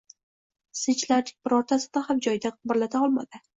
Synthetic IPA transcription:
sɪt͡ʃʰlaɾnɪŋʲbɪɾɒɾt̪ʰasɪd̪ahamd͡ʒɒjd̪aqʰɨbɪɾlat̪ʰaɒlˠma̰d̪ɪ

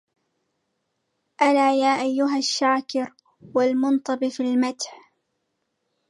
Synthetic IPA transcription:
ʔalaːjaːʔajːʊɦaʃːaːkɪɾ | walmʊnt̪ˤɑbfilmat̪ħ

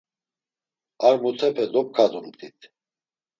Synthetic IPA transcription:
aɾmut̪ʰɛpʰɛd̪ɔp̚kʰad̪umt̪ʼit̪ʰ

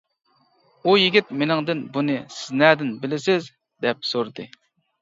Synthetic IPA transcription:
ujiɡʲit̪̚menɪŋd̪ɨnbunɨsɪznæd̪ɪnbɪlɪsɪz | d̪ɛp̚soɾd̪ɨ

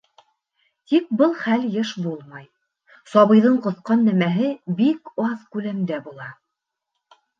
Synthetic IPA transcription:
t̪ik̚bɤlˠχæljɤʃbulˠmɑj | sɑβɤ̆jðɤɴqŏθqɑnːæmæɦɘbikɑðkʉlæmd̪æbulˠɑ

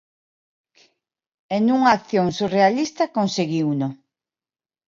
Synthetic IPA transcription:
enuŋaːkθjoŋsurealist̪ɐkonseɣiwno

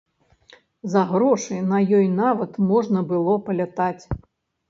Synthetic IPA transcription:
zɐɣɾɔʂɨjnɐjɔjnavɐt̪mɔʐnɐbɨlˠɔpɐlʲat̪at͡sʲ

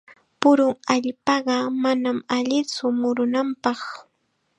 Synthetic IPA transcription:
pʊɾʊŋaʎpɑɢɑmanamaʎɪt͡sʊmʊɾʊnampɑχ

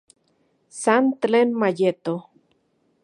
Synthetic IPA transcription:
sant̪lenmajet̪o

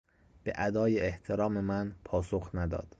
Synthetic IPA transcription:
b̥ḛʔæd̪ɒːjeːht̪ʰe̞ɾɒːme̞mænpʰɒːsoxnæd̪ɒ̰ːd̪̥

